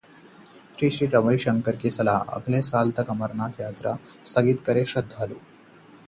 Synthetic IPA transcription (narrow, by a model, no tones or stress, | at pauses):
ɕɾiːɕɾiːʈəʋəiɕəŋkəɾkiːsəlaə̰ɡlẽsaːlt̪ʰəkəməɾnat̪jat̪ɾa̰st̪ʰəɡiːt̪kəɾeɕəd̪ʱːaluː